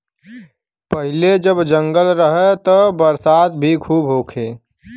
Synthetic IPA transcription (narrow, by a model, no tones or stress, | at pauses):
pəɦɪled͡ʒəbd͡ʒə̃ŋɡəlɾəɦɛt̪ɔbəɾsaːd̪bʱikʰuːbɦoːkʰeː